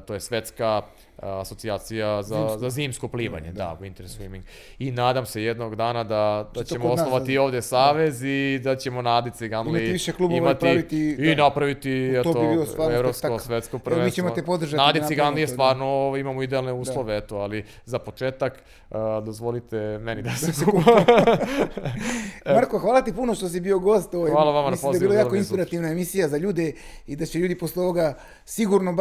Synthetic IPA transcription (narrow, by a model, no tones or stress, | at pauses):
t̪ojesʋe̞t̪skaː | sotsiaːt̪sijazazaziːmskopliːʋa̰ɲḛd̪a̰uint̪eɾesuimiŋɡ | inaːd̪amse̞jed̪noɡd̪aːnad̪ad̪at͡ɕemoonoʋat̪io̞ːʋvd̪esaːʋe̞zid̪at͡ɕe̞mo̞naːd̪it̪siɡanliiʃeklubimatt̪iiinapɾaʋit̪iɛt̪oobilost̪ʋaːɾevɾopsk̪aosʋet̪skopɾʋenit͡ɕemot̪epo̞d̪r̩ʒatnad̪iiɡanlijest̪ʋaːɾnooʋoimamoid̪ealˠneuːsdalˠoʋeet̪oali | zapot͡ʃeːt̪akː | d̪ozʋolit̪emenid̪aseku | maɾkoxʋaːlat̪ipunoʃt̪os̬ibio̞ɡo̞s̬t̪oʋojalˠaʋamanmislipomzdaeiilojaːkoinsppiɾat̪iʋnaemisijazaʎuːd̪e | id̪at͡ɕeʎuːd̪iposleo̞ʋoɡa | siɡuɾnob